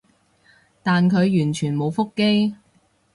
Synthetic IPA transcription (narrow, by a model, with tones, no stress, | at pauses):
t̪aː˨nkʰɵ˨˧ɥjyː˨˩nt͡ʃʰyː˨˩nmo˨˧wfʊ˥kːe˥j